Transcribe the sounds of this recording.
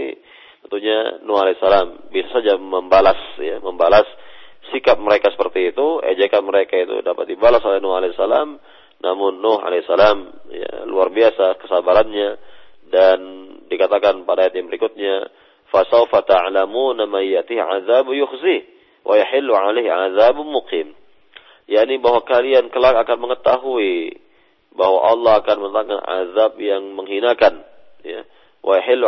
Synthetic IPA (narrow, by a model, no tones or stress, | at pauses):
ḭ | t̪ənt̪uɲanuhalesalambisasad͡ʒaməmbalasjaməmbalasːikap̚məɾekasə̥pərt̪iːt̪uḛd͡ʒɛkanməɾekait̪ṵdapat̪̚dibalasolɛhnɔhalesːalam | nʔa̰mʊnːɔɦa̰lesːalamja̰luarbiasakə̥sabaɾanɲadandikat̪akanpadaːjat̪̚jaŋbəɾikʊt̪̚ɲa | fasawfat̪aʕlamunamanjaʔt̪ihʕaðabjʊxzi | wʔajaħɪlːuʕalajhʕaðabmuqiːm | jaʔnibaɦwakaliankəlakakanməŋət̪aɦui | bahwa̰ʔɑlːɑɦakanmənət̪aŋana̰ðab̚jaŋməŋɦinakan | ja̰ | wʔajaħɪlː